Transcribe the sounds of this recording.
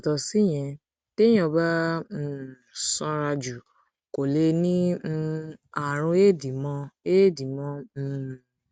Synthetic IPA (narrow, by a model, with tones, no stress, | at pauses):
tɔ˧si˦j̃ɛ̃˧ | te˦j̃ɔ̃˧˨bã˦˨ | sɔ̃˧˦ɾa˧d͡ʒu˨ | ko˨le˧˦nĩ˦˧ | a˨ɾ̃ũ˧e˦di˨mɔ̃˧e˦di˨mɔ̃˦˧˨